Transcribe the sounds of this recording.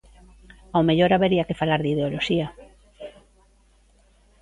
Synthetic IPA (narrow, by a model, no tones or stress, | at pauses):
awmeʎoɾaβeɾiakefalaɾðið̞eoloʃia